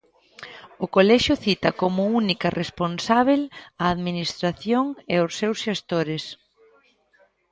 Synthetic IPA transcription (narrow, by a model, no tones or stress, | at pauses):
ʊkolɛʃʊθit̪ɐkomʊunikɐrʔesponsaβ̞elɐːðminist̪ɾaθjoŋeʊsːewsʃest̪oɾɪs